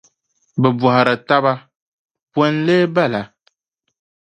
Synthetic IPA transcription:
bɛ˨bɔ˨ha˨ɾɨ˨ta˦βa˦ | pwɔ˦nleː˦ba˦la˨

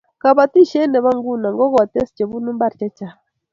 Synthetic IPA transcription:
ka˨βa˨ti˦ʃɛ˦nɛ˨βa˦ŋɡu˦˨na˨ŋɡɔ˦ɣɔ˨tɛ˦si̥˨t͡ʃɛ˨βu˦nu˦mba˦˨ɾt͡ʃɛ˦t͡ʃa˨

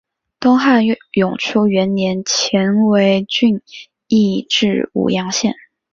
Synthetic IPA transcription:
t̪ʊ˥ŋxa˥˩njʊ˨˩ŋʈ͡ʂʰu˥ɥɛ˧˥nnjɛ˧˥nt͡ɕʰjɛ˧˥nwe˧˥ɪt͡ɕy˥˧n | i˥˧ʈ͡ʂɻ̩˥˩ṵ˨˩jɑ˧˥ŋɕjɛ˥˩n

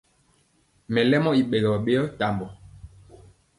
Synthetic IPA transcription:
mɛ˨lɛ˦mɔ˦i˨ɓe˨lɔ˨ɓe˦jɔ˦ta˨mbɔ˨

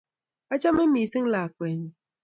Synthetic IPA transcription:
a˦t͡ʃa˦me˦m̩˦i˨si˦ŋ̩˦la˨kʷe˨ɲi˨

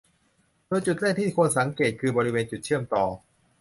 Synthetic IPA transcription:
d̥oː˧jt͡ɕu˨˩t̪̚laː˥˩t̪ʰiː˥˩kʰo˧nsa˩˦ŋkeː˨˩t̪̚kʰɯː˧bɔː˧ɾi˦˥weː˧nt͡ɕu˨˩t̪̚t͡ɕʰɯ˥˩əmt̪ɔː˨˩

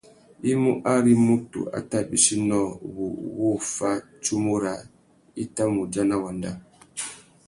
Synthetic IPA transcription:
i˦mu˦ʔa˦ɾi˦mu˦tṵ˨ʔa̰˨ta˦˨ɓi˨si˦nɔ˦˨βu˨wo˦fa˦ | t͡ʃu˦mu˦ɾa˨ | i˦ta˦mu˨d͡ʒa˦na˦wa˨nda˦

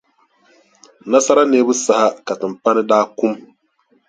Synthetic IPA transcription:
na˦sa˦ɾa˦neː˦bɨ˦sa˨ha˦ka˨tɨ˨mpa˦nɨ˦daː˦ku˦m

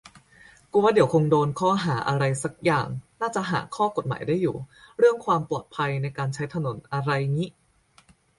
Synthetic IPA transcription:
kuː˧wa˥˩di˩˦wkʰo˧ŋdoː˧nkʰɔː˥˩ɦaː˩˦ʔa˧ɾa˧jsa˦˥k̚jaː˨˩ŋnaː˥˩t͡ɕa˨˩ʔɦa̰ː˩˦kʰɔː˥˩ko˨˩t̪̚ma̰ː˩˦jdaː˥˩jːṵː˨˩ɾɯ˥˩əŋkʰwaː˧mplu˨˩t̪̚pʰa˧jna˧jkaː˧nt͡ɕʰa˦˥jt̪ʰa˧no˩˦nʔa˧ɾa˧jŋi˦˥ʔ

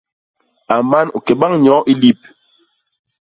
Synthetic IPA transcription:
a˨ma˦nu˨kɛ˨ɓa˦ŋɲɔ˨˦ʔi˦li˦˨p̚

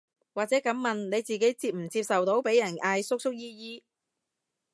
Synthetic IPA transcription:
waː˨k̚t͡sɛː˨˥kɐ˨˥mmɐ˨nne˨˧jt͡siː˨ke˨˥jt͡siː˧p̚m̩˨˩t͡siː˧p̚sɐ˨wt̪o˨˥wpe˨˥jɐ˨˩naː˧jsʊ˥k̚sʊ˥k̚jiː˥jiː˥

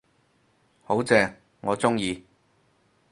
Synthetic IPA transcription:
ho˨˥wt͡sɛː˧ | ŋɔː˨˧t͡sʊ˥ŋjiː˧

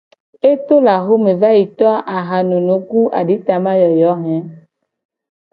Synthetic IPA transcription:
e˦t̪o˦la˨xo˦mẽ˨va˦ji˨t̪ɔ˦ʔa˨ɦa˨nũ˨nũ˨˦ku˦ʔa̰˨ɖi˦t̪a˨mã˦jɔ˨jɔ˨˦ɦɛ̃˦

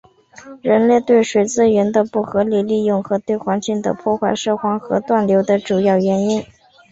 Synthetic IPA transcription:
ɻə˧˥nlɛ˥˧ɪt̪we˥˩ɪʂwe˨˩ɪt͡sɹ̩˥ɥɛ˧˥nd̪ə˧pu˥˩xɤ˧˥li˨˩li˥˧jʊ˥˩ŋxɤ˧˥t̪we˥˩ɪxwa˧˥nt͡ɕi˥˩ŋd̪ə̰˩pʰwɔ˥˧xwa˥˧ɪʂɤ˥˧˩xwɑ˥ŋxɤ̰˧˥t̪wa˥˩nljo˧˥ʊd̪ə˧ʈ͡ʂu˨˩jɑ˥˩ʊɥɛ˧˥ni˥n

